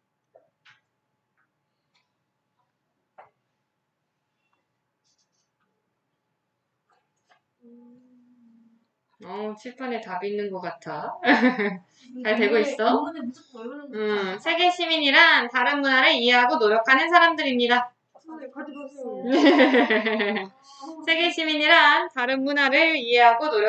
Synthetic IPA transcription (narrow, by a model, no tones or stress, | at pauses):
ʌt͡ɕʰiɭpʰanetabinːɯnɡʌk͈atʰa | t͡ɕaɭtwe̞ɡois͈ʌ | ɯsʰe̞ɡe̞ɕʰimiɲiɾantaɾɯnmunaɾɯɭie̞ɦaɡonoɾjʌkʰanɯnsʰaɾamdɯɾimɲida | sʰe̞ɡe̞ɕʰimiɲiɾantaɾɯnmunɦaɾɯɭie̞ɦaɡonoɾjʌ